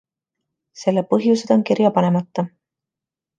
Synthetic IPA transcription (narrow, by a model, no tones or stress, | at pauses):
se̞lːepɤɦjuse̞d̪̥o̞nkirjɑpɑne̞mɑt̪ːɑ